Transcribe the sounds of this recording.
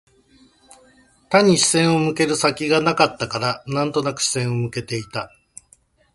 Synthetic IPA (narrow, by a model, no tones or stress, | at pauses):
t̪aɲ̟iɕi̥sẽ̞ɰ̃o̞mɯ̟ke̞ɾɯ̟sakʲiɡanakat̪ːakaɾanãnt̪o̞nakɯ̟̥ɕi̥sẽ̞ɰ̃o̞mɯ̟ke̞t̪e̞it̪a